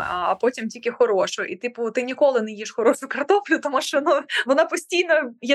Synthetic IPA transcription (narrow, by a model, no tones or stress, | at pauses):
ɐ̰pɔtʲimtʲilʲkʲɪxɔɾoʃʊʔḭt̪ɪpʊt̪ɪnʲikɔlˠɪnɛjiʃxɔɾɔʃʊkɐrt̪ɔflʲʊt̪ɔmuʃt͡ʃɔnuʋɔnapɔsʲtʲijnɔjɛ